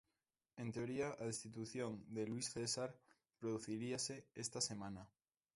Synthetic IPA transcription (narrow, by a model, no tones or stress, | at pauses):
e̞nt̪eoɾiaʔaðest̪it̪uθjõŋd̪elwisθesaɾ | pɾoðuθiɾiaseest̪asemãna